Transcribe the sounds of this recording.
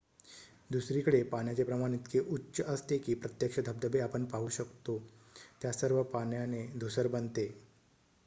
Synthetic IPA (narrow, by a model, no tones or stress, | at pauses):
d̪usɾikəɽepaɳjat͡sepɾəmaɽ̃it̪keʔutːɕəʔəst̪ekiːpɾət̪jəkʂəd̪ʱəb̚d̪əbeapəɳpaɦuːɕəkt̪o | t̪jasəɾʋəpaɳjaned̪ʱusəɾbənt̪e